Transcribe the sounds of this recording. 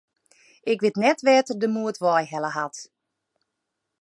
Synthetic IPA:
ɪkʋɪtnɛtʋɛːtərdəmuətʋɔjɦɛləɦat

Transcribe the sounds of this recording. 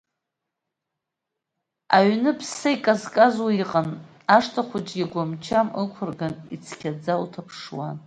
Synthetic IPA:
aɥnɨpʰsaikʼazkʼazwaiqʼan | aʂtʰaχʷʊd͡ʒɡʲaɡʷamt͡ʃʰamɨkʷʰʊrɡanit͡sʰkʲʰad͡zawtʰapʰʂwan

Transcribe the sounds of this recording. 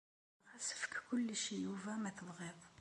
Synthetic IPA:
ʁæsə̥fə̥kkʊlːʃijuvæmæθəðˤʁeðˤ

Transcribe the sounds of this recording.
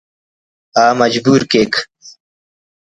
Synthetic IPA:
aːmɐd͡ʑbuːɾkeːk

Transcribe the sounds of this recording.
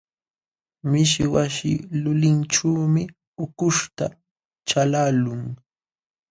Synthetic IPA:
mɪʃwaʃɪlʊlɪnʈ͡ʂuːmɪ | ʊkʊʃt̪a | t͡ʃalalʊŋ

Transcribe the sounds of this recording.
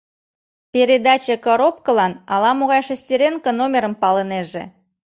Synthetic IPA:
pʲeɾʲed̪ɑt͡ɕekoɾopkəlɑnɑlɑmoɣɑjʃesʲtʲeɾʲenkənomʲeɾəmpɑləneʒḛ

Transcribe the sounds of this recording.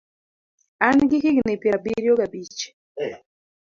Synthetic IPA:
anɡikiɡnepiɾabiɾijoɡabit͡ʃe̥

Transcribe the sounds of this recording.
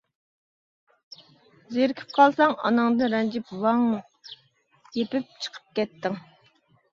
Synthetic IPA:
zeɾkʲʰi̥p̚qʰɑlˠsɑŋɑ̰nɨŋd̪ɨɾɛnd͡ʒipwɑŋ | jepɪp̚t͡ʃʰə̥qʰə̥p̚kʲɛt̪ːɪŋ

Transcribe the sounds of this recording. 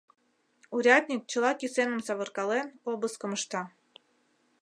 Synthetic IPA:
uɾʲɑd̪ʲnʲik̚t͡ɕə̆lɑkʲisenə̆msɑβɤrkɑlenobəskə̆məʃt̪ɑ

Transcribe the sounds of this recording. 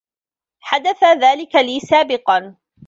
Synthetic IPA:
ħad̪aθaðaːlɪkaliːsaːbɪqɑn

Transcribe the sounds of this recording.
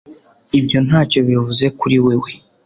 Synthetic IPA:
ibjo̞n̥haːco̞βivuze̞kuɾiwewe̞

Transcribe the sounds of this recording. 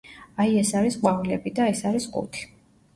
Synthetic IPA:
aiɛsaɾisqʼwavilɛbid̪aɛsaɾisqʼṵt̪ʰi̥

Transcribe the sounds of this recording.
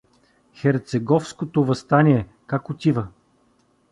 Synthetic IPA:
xɛɾt̪sɛɡɔfskot̪ovɐst̪anʲiɛ | kakot̪ʲivə

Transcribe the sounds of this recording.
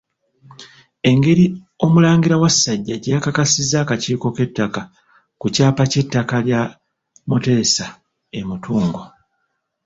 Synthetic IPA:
e̞ŋɡe̞ɾi | o̞mulaːŋɡiɾawasːaɟːaɟakakasizːaːkaciːko̞ke̞tːaka | kucaːpace̞tːakalja | mute̞ːsa | emutuːŋɡo̞

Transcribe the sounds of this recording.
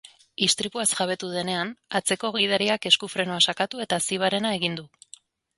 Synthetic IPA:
ist̪ɾipuasʝaβe̞t̪uðe̞ne̞anat͡se̞ko̞ɣ̞ið̞aɾiake̞skufɾe̞noasakat̪ue̞t̪asiβ̞aɾe̞nae̞ɣind̪u

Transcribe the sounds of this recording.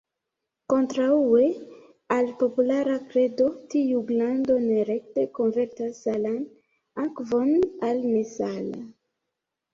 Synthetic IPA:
ko̞ntɾaue̞ | alpo̞pulaɾakɾe̞do̞tiuɡlando̞neɾekteko̞nve̞ɾtasalan | akvo̞nalmesala̰

